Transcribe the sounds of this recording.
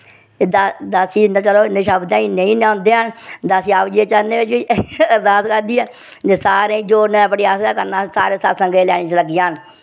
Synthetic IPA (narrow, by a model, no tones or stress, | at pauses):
ed̪ad̪əsiːnaːt͡ʃəloːnəʃəbd̪ãːinəĩːnãːnd̪eːaːnd̪əsiːaːʋd͡ʒiːeːt͡ʃəɾnẽːʋɪt͡ʃʋiːd̪aːskəɾd̪iːɛː | d͡ʒesaːɾẽːd͡ʒoːnepəɽiːaːsaːkənãːsa̰ːɾeːsəsəŋɡeːlɛ̰ːnẽːt͡ʃləɡɪjãːn